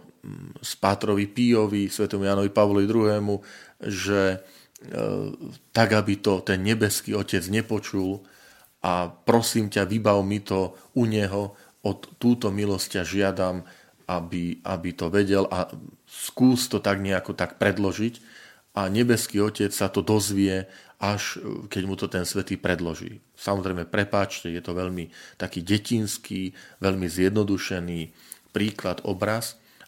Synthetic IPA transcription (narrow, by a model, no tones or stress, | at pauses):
spaːt̪ɾɔʋipiɔʋisʋɛt̪ɛːmujaːnɔʋipaʋlɔʋid̪ɾuɦɛːmuʒɛ | t̪aɡabit̪ɔt̪ɛnɲɛbɛskiːɔcɛd͡zɲɛpɔt͡ʃul | ʔapɾɔsiːmcaʋibaʊmit̪ɔuɲɛɦɔ | ɔt̪ːuːt̪ɔmilɔscaʒɪad̪am | ʔabiʔa̰bit̪ɔʋɛɟɛlʔaskuːst̪ɔt̪aɡɲɛakɔt̪akpɾɛd̪lɔʒic | ʔaɲɛbɛskiːɔcɛt͡ssat̪ɔd̪ɔzʋɪɛʔaʃkɛɟmut̪ɔt̪ɛnsʋɛt̪iːpɾɛd̪lɔʒḭː | samɔzɾɛɪmɛpɾɛpaːt͡ʃcɛjɛt̪ɔʋɛʎmit̪akiːɟɛcinskiːʋɛʎmizjɛd̪nɔd̪uʃɛniː | pɾiːklad̪ɔ̰bɾas